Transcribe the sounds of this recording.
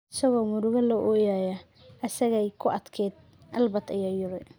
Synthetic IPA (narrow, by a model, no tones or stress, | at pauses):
ʔɪsɐɣɔːmʊɾʊɣɐlɔʔɔjaːja | ɐsɐɣɛjkʰʊʔɐd̪kʰɛːd̪̚ | ʔɐlbɐt̪ɪjɐjʊɾɪ